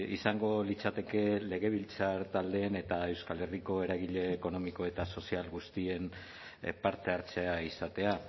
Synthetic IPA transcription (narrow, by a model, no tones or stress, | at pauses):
ḭsaŋɡo̞lit͡sat̪e̞ke̞le̞ɣe̞β̞ilt͡saɾt̪ald̪e̞ːne̞t̪ae̞wskale̞riko̞e̞ɾaɣiʎe̞ːko̞no̞miko̞e̞t̪aso̞sialɣust̪ie̞n | paɾt̪e̞aɾt͡se̞aisat̪e̞a